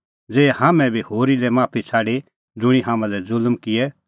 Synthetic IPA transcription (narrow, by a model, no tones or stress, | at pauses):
d͡zeːɛhaːmɛ̃bʱihoːɾilɛmaːpʰit͡sʰaːɽe | d͡zʊɽ̃iɦaːmãlɛd͡zʊlmkɪɛ